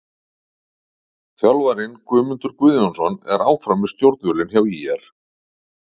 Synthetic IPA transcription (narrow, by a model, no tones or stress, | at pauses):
θjɔlvaɾɪnkvʏːmʏnt̪ʏɾkvʏːðjɔnsɔnɛ̰ɾaːwfɾamɪ̥st̪jowɾt̪vʏlɪnçjawiɛɾ̥